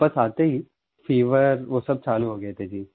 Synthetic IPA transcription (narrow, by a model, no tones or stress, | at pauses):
bɐsaːt̪eɦiː | fiːʋəɾʋoːsɐb̚t͡ʃaːluɦoːɡɐet̪ʰed͡ʒiː